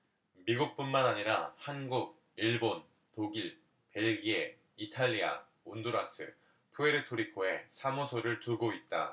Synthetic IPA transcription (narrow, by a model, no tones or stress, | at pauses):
miɡuk̚p͈unmanaɲiɾa̰hanɡuɡ̚ | iɭbon | toɡiɭ | pe̞ɭɡie | itʰaʎːia̰ | ondoɾas͈ɯ̰ | pʰue̞ɾɯtʰoɾikʰoe̞sʰamosʰoɾɯɭtuɡoit̚t͈a̰